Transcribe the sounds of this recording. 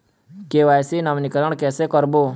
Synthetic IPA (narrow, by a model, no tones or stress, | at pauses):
keːʋaːjsinɐʋnikɾəɳ̃kɛːsekəɾboː